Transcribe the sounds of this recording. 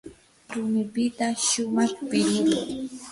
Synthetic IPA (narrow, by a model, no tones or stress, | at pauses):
ɾʊmɪpɪt̪aʃʊmɑχpɪʎʊlʊ̰ŋ